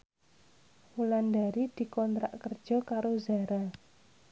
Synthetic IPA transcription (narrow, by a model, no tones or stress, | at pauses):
wulandaɾid̪̥i̤kɔnt̪ɾa̰ʔkərd̥ʒ̥ɔ̤kaɾozaɾa